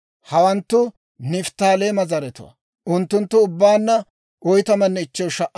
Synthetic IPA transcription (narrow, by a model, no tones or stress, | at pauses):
hɐwɐnt̪ːʊ | nɪft̪ːaːleːmɐzɐɾɛt̪ʊ̰wɐ̰ | ʔʊnt̪ːʊnt̪ːʊʊbːaːnːɐ | ʔɔjt̪ɐmɐnːɛɪt͡ʃːɛwʃɐʔː